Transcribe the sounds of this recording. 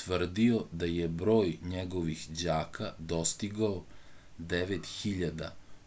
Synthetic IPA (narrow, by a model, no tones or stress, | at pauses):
ʋr̩d̪io̞d̪ajebɾo̞ːjɲeɡo̞ʋixd͡ʑaːkʰad̪o̞st̪iɡao | d̪eʋet̪xiʎad̪a̰